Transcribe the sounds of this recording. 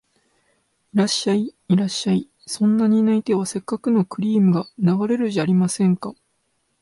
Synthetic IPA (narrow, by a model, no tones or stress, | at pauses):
iɾaɕːaiiɾaɕːai | sõ̞nːaɲ̟inait̪e̞β̞ase̞kːakɯ̟no̞kɯ̟ɾʲiːmɯ̟ɡanaɡaɾe̞ɾɯ̟ʑaːɾʲimasẽ̞ŋka